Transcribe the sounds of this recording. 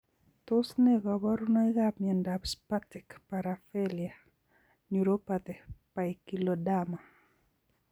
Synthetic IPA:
t̪ʊsneɡɔbɔɾunɔiɡapmjɛndabspatikpaɾafɛlia | ɲuɾopat̪ɛpaikilodama

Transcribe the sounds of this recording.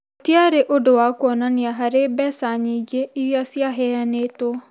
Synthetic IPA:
otiaɾeʔodowakwɔnaniaɦaɾebɛsaɲiɡeʔiɾjasjaɦɛanetwɔ

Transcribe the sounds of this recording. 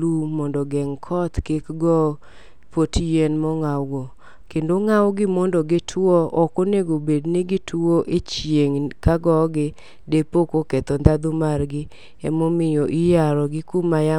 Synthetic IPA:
lumɔndɔɡɛŋkʰɔt̪kekɡɔ | potjenmɔŋawɡo | kendoŋawɡɪmɔndɔɡɪtʰwɔʔɔkoneɡobedneɡɪtʰoʔet͡ʃjeŋkaɡɔɡɪ | depokoket̪ɔnd̪ad̪ʊmarɡɪ | ɛmomɪjoʔijaɾɔɡɪkumaja

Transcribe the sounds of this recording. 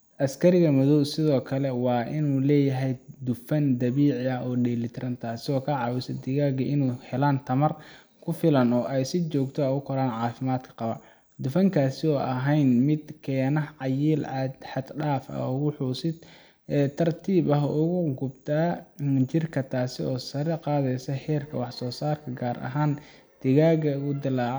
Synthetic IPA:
ʔɐskʰɐɾɪɣɐmʊðɔwsɪðɔːkʰɐlɛwɑːʔɪnuːlɛːjɐɦɛjd̪ʊfɐnd̪ɐβiːʕɪɐʔɔːɖɛːlɪt̪ʰɾɐnt̪ʰaːsɪɔːkʰɐʕɑːwɪsɐd̪ɪɣaːɣɐʔɪnuːhɛlaːnt̪ʰɐmɐr | kʰʊfɪlɐnɔːʔɛjsɪt͡ʃɔːɡt̪ʰɔɛʊkʰɔɾaːnʕɑːfɪmaːd̪kʰɐ̥qɑβɐ̰ | d̪ʊfɐŋkʰaːsɪɔːʔɐɦɛjnmɪd̪kʰɛːnɐɦʕɑjiːlʕɑd̪ħɑd̪ɖaːfɐ̰ʊwʊħuːsɪd̪ | ɛːt̪ʰɐrt̪ʰiːβɐɦʔʊɣʊɡʊbt̪ʰaːt͡ʃɪrkʰɐt̪ʰaːsɪɔːsɐɾɛqɑːðɛjsɐhɛːrkʰɐ̰wɑħsɔːsaːrkʰɐɡaːɾʔɐ̰ɦaːn | d̪̥ɪɣaːɡɐʊd̪ɪlaːʕ

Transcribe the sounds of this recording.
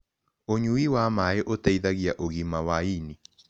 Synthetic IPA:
oɲuiwamaeʔotɛiðaɣjaʔoɣimawaini

